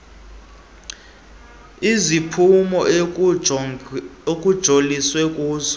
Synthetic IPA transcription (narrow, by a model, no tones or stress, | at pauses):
izipʰumɔ | okʼud̥ʒ̥ʱoliswɛkʼuːzɔ